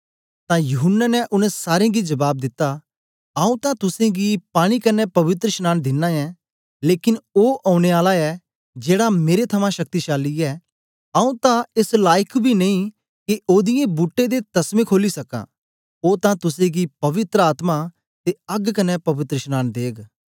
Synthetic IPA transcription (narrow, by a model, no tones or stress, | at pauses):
t̪ãjʊɦʊnːənɛʔʊnɛ̃saːɾẽɡid͡ʒɐbaːb̚d̪ɪt̪ːa | aːũt̪ãt̪ʊsẽɡipaːɽ̃ikɐnɛpɐʋɪt̪ɾəʃnaːnd̪ɪnːãɛ | leːkɪnoːʔaːʊɽ̃eaːlaɛ | d͡ʒeːɽameːɾet̪ʰɐmãʃɐk̚t̪iʃaːlːiɛ | aũt̪ãɪslaːjɪkʰbʱinɐĩ | kiʔoːd̪ɪjẽbuːʈːed̪et̪ɐsmẽkʰoːlisɐkã̰ː | oːt̪ãt̪ʊsẽɡipɐʋɪt̪ɾəaːt̪ma | t̪eɐɡkɐnɛpɐʋɪt̪ɾəʃnaːnd̪eːɡ